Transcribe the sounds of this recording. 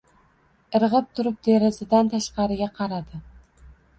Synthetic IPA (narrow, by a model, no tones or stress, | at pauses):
ɨɾʁɨp̚t̪ʰʊɾɪp̚d̪eɾɪzɪd̪ant̪ʰaʃqɑɾɪɡʲaqʰɑɾad̪ɪ